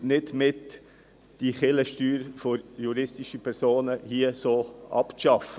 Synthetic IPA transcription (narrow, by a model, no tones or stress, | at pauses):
nɪdmɪt | d̥iχɪləʃtyːɾfojuɾɪstiʃəpʰɛɾsoːnəhiəsoːʔɑ̰pʃɑfə